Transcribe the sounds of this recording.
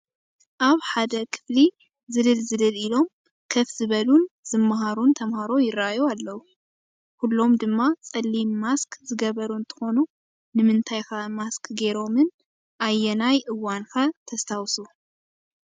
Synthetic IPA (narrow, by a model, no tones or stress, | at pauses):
ʔaβħad̪ɐkʰɨ̥fli | zɨðɨlzɨlɨlilo̞m | kʰɐfzɨβɐlunz̥ɨmːaɦaɾunt̪ʰɐmhaɾo̞jɪrːajoalːɐwu | kulːo̞md̪ɨmːat͡sʼɐlːimːaskzɨɡɐβɐɾuɨnt̪ʰɨ̥xo̞nu | nɨmɨnt̪ʰajkʰamaskɡe̞ɾo̞mɨn | ʔajːɛnajʔɨwːankʰat̪ʰɐst̪ʰawsu